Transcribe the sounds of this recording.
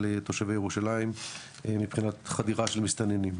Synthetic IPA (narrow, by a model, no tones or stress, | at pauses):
let̪oʃevejeʁuʃalaim | emipχinat̪χadiʁaʃelmist̪anenim